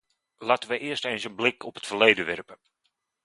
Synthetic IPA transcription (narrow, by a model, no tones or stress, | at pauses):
laːtəʋəʔɪərstejnsənblɪkʰɔpɦətfərlejdəʋɛrpə